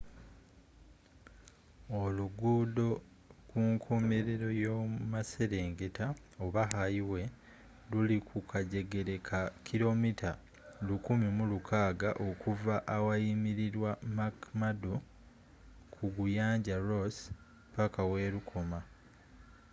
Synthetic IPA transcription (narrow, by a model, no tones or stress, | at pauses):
o̞luɡuːdo̞ | kuŋkʰome̞ɾe̞ɾo̞jomase̞ɾe̞ːŋɡe̞ta | oβaɦajiwe̞ | lulikʰukʰaɟe̞ɡe̞ɾe̞kʰakʰilo̞mitʰa | lukumimulukʰaːɡaʔo̞kuvaʔːwajimiɾiɾwamakmadu | kʰuɡujaːɲɟaɾos | pakawe̞ːɾukʰo̞ma